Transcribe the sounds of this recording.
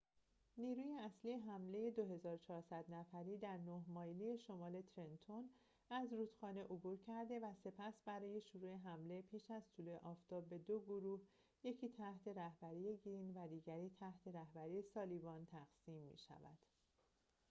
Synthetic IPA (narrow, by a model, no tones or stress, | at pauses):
niːɾuːjeæsliːjeɦæmle̞je̞d̪o̞ɦe̞zɒːɾot͡ʃʰɒːɾsæd̪næfæɾiːd̪æɾnohmɒːjlije̞ʃo̞mɒːle̞t̪ʰɾe̞nt̪ʰon | æzɾuːt̪xɒːne̞ʔobuːɾcʰæɾd̪e̞væse̞pʰæsbæɾɒːje̞ʃuɾue̞ɦæmle̞pʰiːʃæzt̪ʰuːlueʔɒːft̪ʰɒːbːe̞d̪oɡoɾuːh | je̞cʰiːt̪ʰæht̪ʰe̞ɾæhbæɾije̞ɡiinvæd̪iːɟæɾiːt̪ʰæht̪ʰe̞ɾæhbæɾiːje̞sɒːlibɒːnt̪ʰæɣ̥siːmːḭʃæ̰væ̰d̪̥